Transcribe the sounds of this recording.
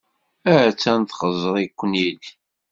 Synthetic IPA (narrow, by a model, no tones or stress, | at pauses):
æɾt͡sːænt̪χəzˤəɾˤikʷːnid